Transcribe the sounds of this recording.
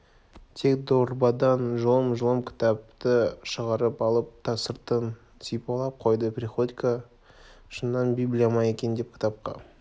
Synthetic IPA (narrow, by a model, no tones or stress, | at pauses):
t̪ʰe̞kd̪oɾbɑd̪ɑnʒəlˠəmʒəlˠəmkʲʰɪ̥t̪ɑp̚t̪əʃəʁɑɾəpɑlˠəp̚t̪ʰɑsəɾt̪ən | sijpɑlˠɑp̚qʰo̞jd̪əpʲɾʲiχo̞d̪ikə | ʃənːɑnbiblʲijamɑje̞kʲe̞nd̪ep̚kʲʰɪ̥t̪ɑp̚qɑ̰